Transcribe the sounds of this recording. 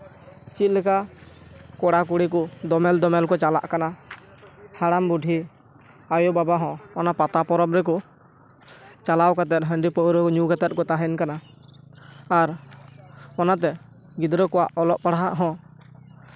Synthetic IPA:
t͡ʃit̪̚lɛkaʔ | kɔɽakuɽik̬ɔd̪ɔmɛld̪ɔmɛlkɔt͡ʃala̰ʔkana | haɽambuɖʱi | ajɔbabaɦɔ̃ɔnapat̪apɔɾɔbɾɛk̬ɔ | t͡ʃalawkat̪ɛt̪̚ɦəɳɖipɔʔɾɛɔɲuɡat̪ɛt̪̚kɔt̪aɦɛnkana | ɾ | ɔnat̪̬ɛ | ɡid̪ɾɔkɔwaʔɔlɔʔpaɽaɦaʔɦɔ̃

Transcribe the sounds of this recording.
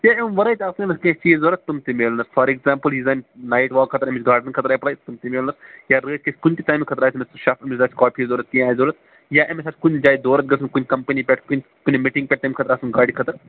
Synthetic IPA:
jaemʋɐɾɐjt̪ʲasʲnɐskĩt͡ʃiːzoːɾɐt̪t̪ːumt̪imeːlnɐsfʰɐːɾiɡzaːmpəlɦizannaːjʈʋaːkʰːɐt̪ɐɾɐmit͡ʃʲɡaːɾɖənkʰɐt̪ɾaːjipɽaːjt̪umt̪imeːlnɐsjaːɾəːʈ̚ʲkesʲkunʲt̪it̪aːjmkʰɐt̪ɐɾaːjsmesʃafmit͡ʃʲzaːt͡ʃkɔːpʰizoːɾɐt̪̚kĩaːjizoːlɐt̪̚ | jaːʔemesaːtʰʲkunʲd͡ʒaːjid̪oːɾɐt̪̚ɡɐsʰumʲkunʲkɐmpɐnipʲɛʈkunʲ | kunʲmiʈĩŋɡpʲɛʈ̚t̪ɐmʲkʰɐt̪ɐɾaːsunɡaːɽʲikʰɐt̪ɐɾ

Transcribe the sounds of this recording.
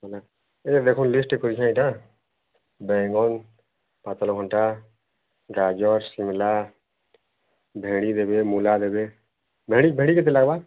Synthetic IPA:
la | ed̪ekʰunlisʈekɔɾit͡ʃʰãĩʈã | bɛ̃ŋɡɔn | pat̪ɔlɔɡʰɔɳʈa | ɡad͡ʒɔɾsimla | bʱẽɽ̃id̪ebemulad̪ebe | bʱeɽ̃ibʱẽɽ̃iket̪̬elaɡba

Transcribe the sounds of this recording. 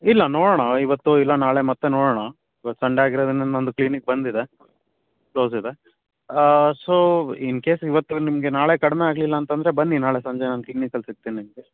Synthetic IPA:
ilːɐnoːɽoːɳɐiʋɐt̪ːuilːɐnaːɭe̞mɐt̪ːenoːɽoːɳɐ | iʋɐt̪ːu̥sɐɳɖeaːɡiɾoːd̪ɐnːenond̪ukliːnik̚bɐnd̪id̪e̞ | kloːsid̪e̞ | soːinke̞ːsiʋɐt̪ːunimɐɡe̞naːɭe̞kɐɽmeaːɡlilːɐːnt̪ɐnd̪ɾe̞bɐnːinaːɭe̞sɐɲd͡ʒenaːnk̪iknikɐlsiɡ̚t̪ːiːnnimɡe

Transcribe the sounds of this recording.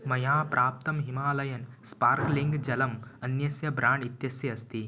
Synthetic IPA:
mɐjaːpɾʔaːp̚t̪ɐmɦimaːlɐjɐnspaːɾkliŋɡd͡ʒɐlɐmɐnjɐsjɐbɾaːɳɖit̪jɐsjɐːst̪i

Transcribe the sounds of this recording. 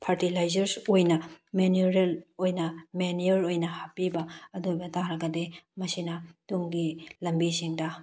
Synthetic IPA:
pʰaɾtilajzɐɾsojnɐmenuɾelojnɐmenioɾojnɐhapibɐɐdojbɐtaɾɐɡɐdemɐsinɐduŋɡilɐmbisiŋdɐ

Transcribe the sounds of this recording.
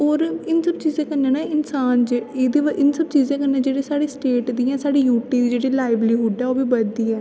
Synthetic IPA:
oːɾɪnsəbt͡ʃiːzãːkəɾnɛ̃ːnaɪnsaːnd͡ʒeeːd̪eːʋʔɪnsəb̚t͡ʃiːzãːkənɛ̃ːd͡ʒeːɽeːsaːɽiːsʈeːʈd̪iːãːsaːɽiːjuːʈiːd̪iːd͡ʒeːɽelaːɪbɾiːɦʊɖɛːoːbiːbəd̪iːɛː

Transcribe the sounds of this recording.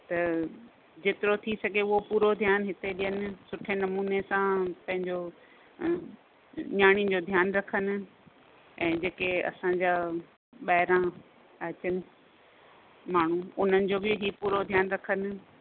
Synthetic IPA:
t̪ɐ | d͡ʑeːt̪ɪɾot̪ʰisɐɡeʊɦopuːɾod̪ʱjaːnɦɪt̪eɗiənɪ̆sʊʈʰenɐmuːnesãpɐ̃ɦɪ̃ɲd͡ʑo | ɲaːɽ̃id͡ʑoːd̪ʱjaːnɾɐkʰənɪ̆ | ɛ̃ːd͡ʑeːkeɐ̰sãd͡ʑaː | ɓɐɦɪɾã | ɐt͡ɕənɪ̆ | maːɳ̤uʊn̤ənɪ̆d͡ʑoːbɪɦiːpuːɾod̪ʱjaːnɾɐkʰənɪ̆

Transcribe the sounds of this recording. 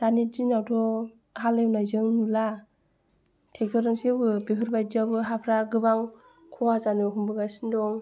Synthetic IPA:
d̥anid͡ʒinawtʰɔ | halewnajzɯŋnula | tʰek̚tɔɾɯŋsibɯbipʰɯɾbajziabɯɦapʰɾaɡɯbaŋ | kʰɔwazanɯɦumbɯɡasindɔŋ

